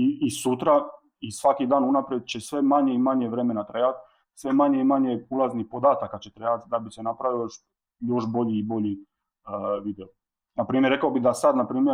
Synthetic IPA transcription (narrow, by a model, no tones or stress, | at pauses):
iisut̪ɾa | isʋakid̪aːnunapɾjed̪̚t͡ɕe̞sʋe̞maɲe̞imaɲeʋɾe̞me̞nat̪ɾejat̪ | sʋe̞maɲeimaɲeulaznihpo̞d̪aːt̪akat͡ɕe̞t̪ɾejat̪d̪abisenapɾaʋijoʃ | jo̞ʃbo̞ʎiːbo̞ʎi | ʋid̪eo | napɾiːmje̞ɾːekaobid̪asad̪napɾiːmje